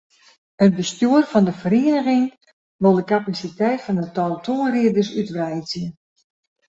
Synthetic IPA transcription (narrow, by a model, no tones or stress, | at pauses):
ət̚bəstjuərfɔndəfəɾeənəɣɪŋ | ʋolˠdəkapasitɛjtfɔnətɔlˠtʰoəriədərsytʋɛjzjə